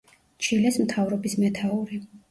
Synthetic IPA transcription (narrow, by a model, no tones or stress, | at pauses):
t͡ʃʰilɛsmt̪ʰavɾɔbismɛt̪ʰauɾi